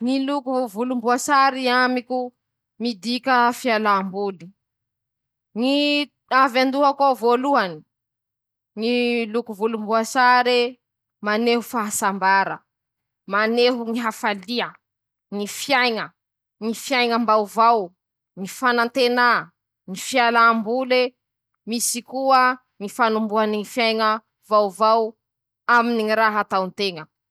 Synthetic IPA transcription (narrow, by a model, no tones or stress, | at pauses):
ŋilukuvulumbuasaɾiamikʲu | mid̪ikʲəfialambuli̥ | ŋi | avand̪uɦakovoluani̥ | ŋilukuvulumbuasaɾe | maneɦufaɦasambaɾə | maneɦuŋiɦafaliə | ŋifjajŋə | ŋifjajŋəmbawvaw | ŋifanant̪ena | ŋifialambule | misikuə | ŋifanumbuaniŋifjajŋə | vawvaw | aminiŋiɾaɦat̪aunt̪eŋə